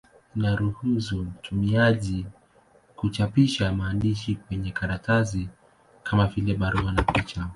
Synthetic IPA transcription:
inaɾuhuzum̩tʰumiaʄi | kut͡ʃapiʃamaːndiʃikwɛɲɛkaɾatazi | kʰamavilɛɓaɾuanapit͡ʃa

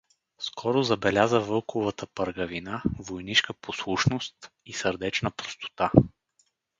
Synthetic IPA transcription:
skʰɔɾozɐbɛlʲazəvɤlˠkʰovət̪əpəɾɡɐvinavojniʃkəposlˠuʃnost̪ | isəɾd̪ɛt͡ʃnəpɾost̪o̥t̪a

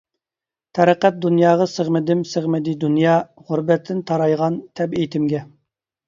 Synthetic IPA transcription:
t̪ʰɛɾəqæt̪̚d̪unjɑːʁɑsəʁmɪd̪ɪmsəʁmɪd̪ɪd̪unjɑːʁʊɾbɛt̪ʰːɪnt̪ʰɑɾɑjʁɑnt̪ʰɛbejt̪ʰɪmɡʲɛ

